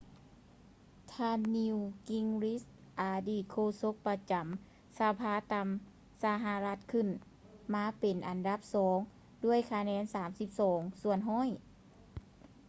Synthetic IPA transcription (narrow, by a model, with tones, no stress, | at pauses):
t̪ʰaː˧nːi˧wki˧ŋli˦˥sʔaː˨˩diː˧˩kʰoː˧˨so˧˥k̚pa˧t͡ɕa˨˦m | sa˧˦pʰaː˧˥t̪a˧m | sa˧ɦa˧la˧˥t̪̚kʰɯ˧˩˨n | maː˧˥pe˨˩nʔa˨˩nda˧˥p̚sɔː˩˦ŋ | du˥˩əjkʰa˧nɛː˧˥nsaː˨˩˦msi˧˦p̚sɔː˩˦ŋsu˧˩ənɦɔː˧˥˨j